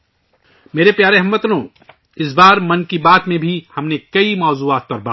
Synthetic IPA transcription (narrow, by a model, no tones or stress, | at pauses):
meːɾepjaːɾeɦɐmːɐt̪lõ | ɪs̬baːɾmɐnkibaːt̪mẽbʱihɐmnekɐimɔːzuːaːt̪̚pɐɾbaː